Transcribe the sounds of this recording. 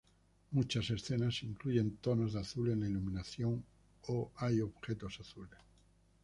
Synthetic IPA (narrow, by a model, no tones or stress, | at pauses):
mut͡ʃase̞sθe̞nasiŋkluʝe̞nt̪o̞nozðaθule̞nlailumĩnaθjo̞ŋ | oajo̞βxe̞t̪o̞saθules